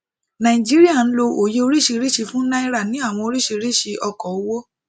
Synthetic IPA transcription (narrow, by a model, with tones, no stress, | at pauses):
nã˨i˨d͡ʒi˦ɾi˦a˦˨n̩˦lo˧ʔo˨je˧o˧ɾi˦ʃi˧ɾi˦˨ʃi˧fũ˦na˦i˦ɾa˦˨nĩ˨˦a˦˨w̃ɔ̃˧o˧ɾi˦ʃi˧ɾi˦˨ʃi˧ʔɔ˧kɔ˨o˦wo˦